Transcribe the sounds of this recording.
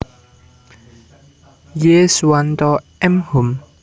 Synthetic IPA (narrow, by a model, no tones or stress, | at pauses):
jesant̪ɔ | ɛmhum